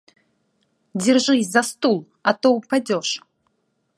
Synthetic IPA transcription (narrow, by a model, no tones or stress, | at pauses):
d͡zʲɪrʒʷɨjzast̪ulˠ | at̪owpʰad͡zʲoʂ